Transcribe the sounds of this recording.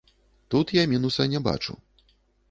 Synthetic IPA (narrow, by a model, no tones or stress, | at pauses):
t̪ut̪jamʲinusɐnʲɛba̰t͡ʂṵ